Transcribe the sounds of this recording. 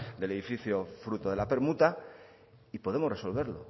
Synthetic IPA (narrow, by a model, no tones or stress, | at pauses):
d̪e̞le̞ðifiθjofɾut̪oðe̞lape̞ɾmut̪a | ipo̞ð̞e̞more̞so̞lβe̞ɾlo̞̰